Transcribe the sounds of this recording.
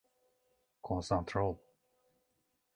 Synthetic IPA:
kʰɔ̃nsə̃nt̪ʰɹolˠ

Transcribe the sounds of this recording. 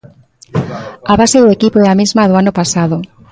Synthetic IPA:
aβaseðʊekipoɛamizmaðʊanʊpasaðʊ

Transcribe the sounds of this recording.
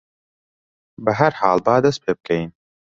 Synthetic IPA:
bɐɦɐɾħaːlbaːd̪ɐst̪pʰeːb̚kʰɐjn

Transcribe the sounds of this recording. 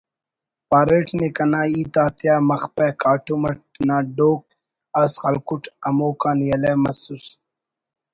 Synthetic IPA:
paːɾeːʈnekɐnaːiːt̪aːt̪jaːmɐxpekaːʈumɐʈ̚naːɖoːk̚ | asxɐlkuʈʰɐmoːkaːnjɐleːmɐsus

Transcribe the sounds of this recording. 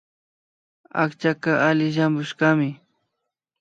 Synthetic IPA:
a̰kt͡ʃakaʔalɪʃambʊʃɢɑmɪ

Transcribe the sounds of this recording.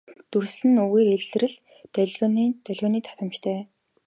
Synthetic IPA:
t̪ursɘ̆nuɣeːɾeɮɘ̆rɘ̆ɮ | t̪œɮʲɣʲɔːniːnt̪œɮʲɣɔːniːt̪ʰḁt̪ə̆mt͡ɕt̪ʰœː

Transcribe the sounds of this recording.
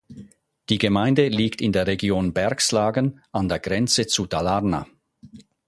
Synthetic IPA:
d̥iːɡəmaɪndəliːktɪndeːɐʁeɡjoːnbɛɐkslaːɡənʔandeːɐɡʁɛnt͡sət͡sudalaʁna̰

